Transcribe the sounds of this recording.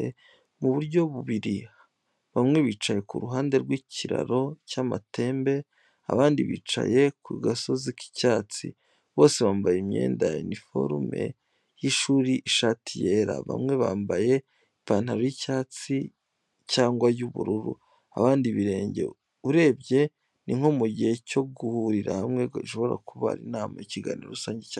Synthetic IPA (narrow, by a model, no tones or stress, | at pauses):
e | muβuɾɟo̞βuβiɾi | βamŋe̞βiːt͡ʃaje̞kuɾuɦaːnde̞ɾɡwiːcʰiɾa̰ɾo̞cama̰tʰe̞ːmbe̞ | a̰βaːndiβḭːt͡ʃa̰je̞kwiːɡaso̞ziki̥caːt͡sḭ | βo̞ːse̞βaːmbajimɲe̞̰ːndainifo̞̰ɾme̞̰ | jiʃuːɾiʔiʃatʰije̞ːɾa̰βa̰mŋe̞βa̰ːmbaje̞ | ipaːn̥haɾojicaːt͡si | caːŋɡwajuβuɾuɾṵ | a̰βaːndiβiɾe̞ːɲɟe̞̰ | uɾe̞ːbɟe̞ | niŋhomuɟihe̞co̞ɡuhuɾiɾa̰hamŋe̞ɡaʃoβo̞ɾa̰kuβa̰ɾinaːmaiciɡanḭɾo̰usaːɲɟeca